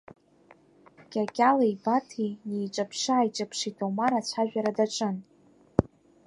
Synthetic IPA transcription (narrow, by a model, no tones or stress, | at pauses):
kʲʼakʲʼalaibatʰinejʈ͡ʂʼapʰʂaːjt͡ʃʼapʰʂitʰowmaɾat͡ɕʷʰaʒᶣaɾadaʈ͡ʂʼɨn